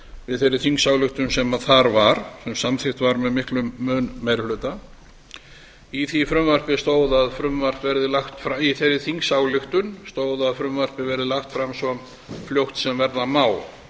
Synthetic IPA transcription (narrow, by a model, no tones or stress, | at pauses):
vɪðθejɾːɪθiŋksawlʏxt̪ʏnsɛmaðθaɾvaɾ̥sɛmsamθɪxt̪vaɾmɛðmɪhklʏmːœːnːɛjɾhlʏːt̪a | iθifɾʏmvar̥pɪst̪oːwðaðfɾʏmvar̥pvɛɾðɪlaxt̪fɾaiθeɾːɪθiŋksaːwlʏxt̪ʏnst̪oːwðaðfɾʏmvar̥pɪvɛɾɪðɪlaxt̪fɾamsɔm | fljowht̪sɛmvɛɾðamaːw